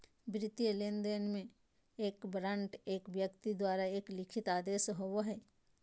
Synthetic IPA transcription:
bɾɪt̪jeleːnd̪enmẽ | eːkbɾə̃ːɳʈeːkʋjəkt̪id̪waːɾaeːklɪkʰɪt̪aːd̪eːʃɦowoɦɛː

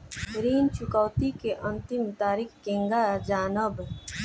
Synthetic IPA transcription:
ɾiːnt͡ʃʊkəʊt̪ikeʔə̃nt̪ɪmt̪aːɾiːkkẽːŋɡad͡ʒaːnəb

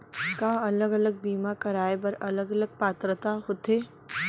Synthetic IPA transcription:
kaɐləɡɐləɡ̚biːmakɐɾaːebɐɾɐləɡɐləɡ̚paːt̪ɾət̪aɦot̪eː

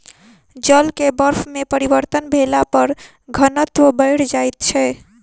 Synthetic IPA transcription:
d͡ʒəlkebəɾpʰmepəɾibəɾt̪ənbʱelapəɾ | ɡʱənət̪wəbəɪɽd͡ʒajt̪t͡ʃʰɛ

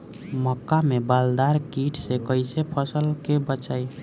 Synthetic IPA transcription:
mɔkːamebald̪aɾkiʈʰsekəɪsepʰəsəlkebət͡ʃaːi

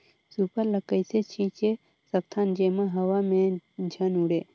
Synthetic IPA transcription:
supəɾləkəjset͡ʃʰit͡ʃe | sək̚t̪ʰand͡ʒemaɦəwʋamẽd͡ʒʱənuɽe

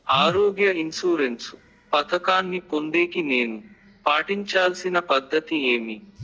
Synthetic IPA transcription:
aːɾoːɡjɐinsuːɾensu | pɐt̪ʰɐkaːnːipond̪e̞ːkine̞ːnu | paːʈiɲt͡ʃaːlsinɐpɐd̪ʱːɐt̪ieːmi

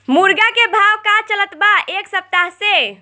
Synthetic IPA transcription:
muɾɡakebʱawkat͡ʃələt̪baʔeksəp̚t̪aɦse

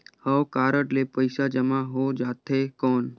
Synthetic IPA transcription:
həwkaːɾəʈlepəɪsad͡ʒəmaɦod͡ʒaːt̪ɦekɔːn

